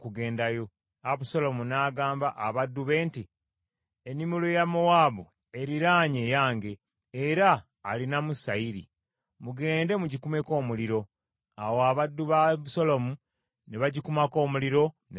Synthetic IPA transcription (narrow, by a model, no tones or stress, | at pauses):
kuɡe̞ːndajo̞ | aβuso̞lo̞munaːɡaːmbaʔaβadːuβe̞ːnti | enːimulojamowaβu | e̞ɾiɾaːɲejaːŋɡe̞ː | ɾaː | linamusaiɾḭ | muɡe̞ːnde̞muɟikume̞ko̞ːmuliɾo̞ | awoaβadːuβaβuso̞lo̞mu | ne̞βaɟikumako̞ːmuliɾo̞ | ne